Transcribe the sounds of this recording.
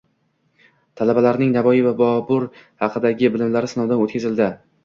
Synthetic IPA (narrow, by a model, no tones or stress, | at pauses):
t̪ʰalabalaɾnɪŋnavɒjɪvabɒbʊɾhɑqʰɨd̪aɡʲɪbɪlɪmlaɾɪsɪnɒwd̪anot̪̚kʰʲazɪld̪ɪ